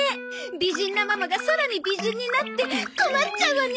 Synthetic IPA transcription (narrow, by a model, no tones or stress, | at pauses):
e | bid͡ʒinːamamaɡasoɾanibid͡ʒinːinat̪ːekomat͡ʃːawan